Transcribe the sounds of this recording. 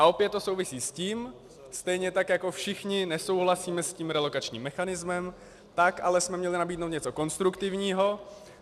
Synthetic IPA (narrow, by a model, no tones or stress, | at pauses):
ʔaʔo̞pjɛt̪ːo̞so̞wvɪsiːsciːm | st̪ɛjɲɛt̪akjako̞fʃɪxɲɪnɛso̞wɦlasiːmɛsciːmɾɛlo̞kat͡ʃɲḭːmːɛxanɪzmɛm | t̪akʔalɛsmɛmɲɛlɪnabiːdnowt̪ɲɛt͡so̞ko̞nst̪ɾukt̪ɪvɲiːɦo̞